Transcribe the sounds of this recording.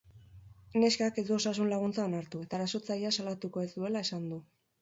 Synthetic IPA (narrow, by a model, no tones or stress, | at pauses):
ne̞skake̞zd̪uo̞sasunlaɣ̞unt͡sao̞naɾt̪ue̞t̪aːɾaso̞t͡sajiasalat̪uko̞e̞zd̪ue̞lae̞sand̪u